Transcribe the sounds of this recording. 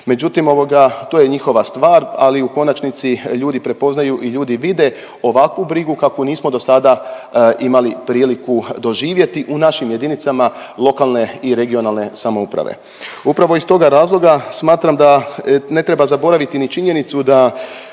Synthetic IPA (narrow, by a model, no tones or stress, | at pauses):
me̞d͡ʒut̪imo̞ʋo̞ɡat̪ojeɲixo̞ʋast̪ʋaːɾaliuko̞nat͡ʃnit̪siʎuːd̪ipɾe̞po̞znajuʔiʎuːd̪iʋid̪e̞ | o̞ʋakʋubɾiɡukakoniːsmo̞d̪o̞sad̪a | imalipɾiːlikud̪o̞ʒiːʋje̞t̪iʔunaʃimje̞d̪init̪sama | lˠo̞kalˠne̞iɾe̞ɡio̞nalne̞samo̞upɾa̰ʋḛ | upɾaʋo̞ist̪o̞ɡaɾaːzlˠo̞ɡasmaːt̪ɾamd̪ane̞t̪ɾebazabo̞ɾaʋit̪init͡ʃiɲenit̪sud̪a